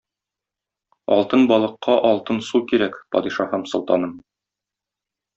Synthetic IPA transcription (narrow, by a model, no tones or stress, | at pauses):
ɒ̰lˠt̪ɤnbɒlˠɤ̆qːɑʔɒlˠt̪ɤnsukiɾækpɒ̰d̪iʃɑhɤmsŏlˠt̪ɑnɤm